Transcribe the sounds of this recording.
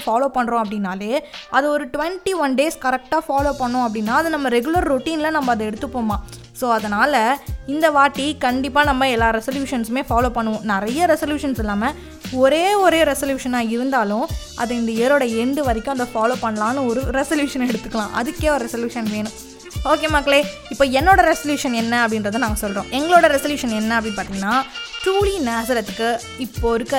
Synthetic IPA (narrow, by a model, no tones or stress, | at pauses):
faːloːpɐɳːɾõɐp̬ːɐɽɪnːaːleːʔɐðɯɔɾɯʈʊʋɛɳʈiʋɐnɖeːskɐɾɛk̚ʈaːfaːloːpɐɳːʊ̃ɐp̬ːɐɽɪnːaːɐðɯnɐmːɐɾɛɡʊlɐɾɾʊʈːiːnlɐnɐmːɐɐðɐɛɽɯt̪ːɯpːoːmaː | soːɐðɐnaːlɐɪnd̪ɐʋaːʈːikɐɳɖɪpːaːnɐmːɐɛlːaːɾɛsɐljuːʂɐnsmeːfaːloːpɐɳːɯʋʊ̃nɪɾɐjɐɾɛsɐljuːʂɐnsɪlːaːmɐ | ɔɾeːɔɾeːɾɛsɐljuːʂɐnaːɪɾɯnd̪aːlʊ̃ | ɐ̰ðɐ̃ɪnd̪ɐeɾoːɽɐɛɳɖɯʋɐɾɪkʲːʊ̃ɐnd̪ɐfaːloːpɐɳːɐlãːnɯɔɾɯɾɛsɐljuːʂɐnɛɽɯt̪ːɯkːɐlãːʔɐ̰ðɯkːeːɔɾɯɾɛsɐljuːʂɐnʋeːnʊ̃ | oːkeːmaːkleː | ɪpːoːɛnːoːɽɐɾɛsɐljuːʂɐnɛnːɐɐpːɐɽɪndɾɐðɯnãːŋɡɐsɔlɾõːʔɛŋɡɐɭoːɽɐɾɛsɐljuːʂɐnɛnːɐɐpːɐɽɪnpaːɾt̪ɪŋɡɐnːaːʈɾuːlinaːsɐɾɐt̪ːɯkːɯ | ɪpːoɾɯkːɐ